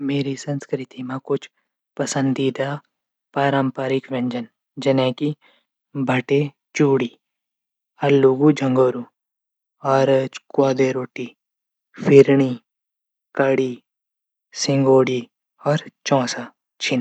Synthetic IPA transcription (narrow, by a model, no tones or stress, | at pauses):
meːɾisɐ̃nskɾɪt̪imãkʊt͡ʃʰ | pɐsə̃nd̪iːd̪a | paːɾəmpaːɾɪkʋẽɲd͡ʒən | d͡ʒɐnɛ̃ːki | bʱɐʈe | t͡ʃuːɽiː | ɐlːuɡud͡ʒʱɐ̃ŋɡoːɾu | ɔːɾt͡ʃkwaːd̪eɾoːʈi | fʰɪɾɳ̃i | kɐɽiː | sɪ̃ŋɡoːɽi | ɔːɾt͡ʃɔ̃ːsa | t͡ʃʰin